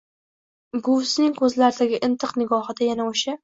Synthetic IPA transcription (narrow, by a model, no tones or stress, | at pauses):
ɡʊsnɪŋkʰɵzlaɾɪd̪aɡʲɪʔɪnt̪ʰɨqnɪɡɒhɨd̪ajanaoʃa